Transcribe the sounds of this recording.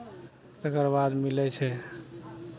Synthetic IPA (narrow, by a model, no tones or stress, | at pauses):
t̪əkəɾbad̪milɛt͡ʃʰɛ